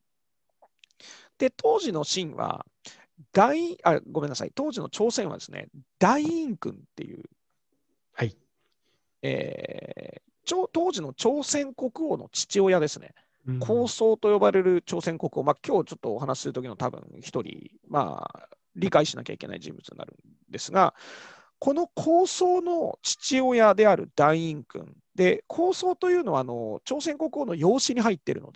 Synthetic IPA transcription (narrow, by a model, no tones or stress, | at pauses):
d̪̥e̞t̪ʰoːʑino̞ɕĩɰ̃βa̰ | d̪̥aiĩaeɡo̞menːasa̰it̪o̞ːʑino̞t͡ɕo̞ːsẽ̞ɰ̃βa̰d̪e̞sɨ̥ne̞̰d̪̥aiĩŋkɯ̟̃nt̪ːe̞̰jɯ̟̰ː | h | ḛː | t͡ɕoːt̪o̞ːʑino̞t͡ɕo̞ːsẽ̞ŋko̞kɯ̟o̞no̞̰t͡ɕi̥t͡ɕio̞jad̪e̞sɨne̞̰ | kʰo̞ːso̞ːt̪o̞jo̞baɾe̞ɾɯ̟t͡ɕo̞ːsẽ̞ŋko̞kɯ̟o̞makʲoːt͡ɕo̞t̪ːoːɦanaɕi̥sɨɾɯ̟t̪o̞kʲinot̪abɯ̟̰̃ŋçi̥t̪o̞ɾʲḭ | ma̰ː | ɾʲikaiɕina̰kʲa̰ike̞na̰ḭʑḭ̃mb̥ɯ̟t͡sɨɲʲḭna̰ɾɯ̟̃n | d̪e̞sɨɡa̰ | kʰo̞no̞kʰo̞ːso̞ːno̞̰t͡ɕi̥t͡ɕio̞jad̪e̞aɾɯ̟d̪̥aiĩŋkɯ̟̰̃n | d̪e̞kʰo̞ːso̞ːt̪o̞jɯ̟ːno̞βaːno̞̰t͡ɕo̞ːsẽ̞ŋko̞kɯ̟ono̞jo̞ːɕiɲ̟iɦait̪ːe̞ɾɯ̟no̞̰d̪e